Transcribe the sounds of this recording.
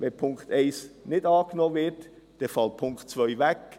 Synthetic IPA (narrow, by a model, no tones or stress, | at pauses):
ʋɛpʰʊŋkt̪ɛɪsnɪdɑːknoːvɪɾt | d̥ɛfɑlt̚pʰʊŋkt̚t͡svœʏvɛk